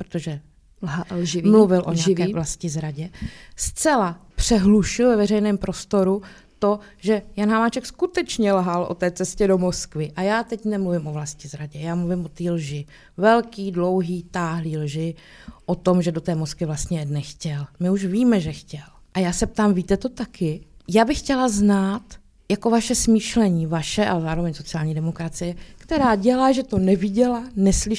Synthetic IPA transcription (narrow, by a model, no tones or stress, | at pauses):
pɾot̪oʒɛ | ʒɪmluvɪlʔoɲɲɛakɛːvlascɪzɾaɟɛst͡sɛlapr̝̥ɛɦluʃɪlvɛvɛrɛjnɛːmpɾo̞st̪o̞ɾu | t̪o | ʒɛjanɦamaːt͡ʃɛkskut̪ɛt͡ʃɲɛlɦalʔo̰t̪ɛːt͡sɛscɛdomoskvɪʔajaːt̪ɛcnɛmluvɪmʔovlascɪzɾaɟɛjaːmluvɪmʔot̪iːlʒɪ | vɛlkiːdlo̞wɦiːt̪aːɦliːlʒɪ | ʔot̪o̞mʒɛdo̞t̪ɛːmoskvɪvlast̪ɲɛjɛdnɛxcɛlmɪuʃviːmɛʒɛxcɛl | ʔajaːsɛp̚t̪aːmviːt̪ɛt̪o̞t̪akɪjaːbɪxcɛlaznaːt̪ | jako̞vaʃɛsmiːʃlɛɲiːvaʃɛʔa̰lɛzaːɾo̞vɛɲso̞t͡sɪaːlɲiːdɛmo̞kɾat͡sɪjɛkt̪ɛɾaːɟɛlaːʒɛt̪o̞nɛvɪɟɛlanɛslɪ